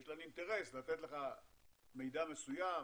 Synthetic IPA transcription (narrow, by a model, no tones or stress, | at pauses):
ʃlanint̪e̞ʁe̞slat̪et̪le̞χa | me̞jd̪ame̞suja